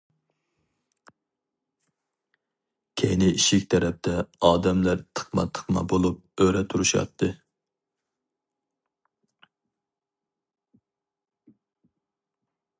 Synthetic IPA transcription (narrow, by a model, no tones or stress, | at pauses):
kʲʰejnɪiʃikʲt̪ʰɛɾɛp̚t̪ʰɛɑːd̪ɛmlæɾt̪ʰə̥χmɑ̰t̪ʰə̥χmɑ̰bolˠup̚øɾɛt̪ʰuɾuʃjɑ̰t̪ʰːɨ